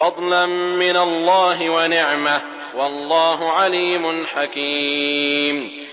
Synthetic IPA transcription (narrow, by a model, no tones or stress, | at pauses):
fɑd̪ˤlamːɪnalːɑːɦɪwanɪʕma | wɑlˤːɑːɦʊʕaliːmʊnħakiːm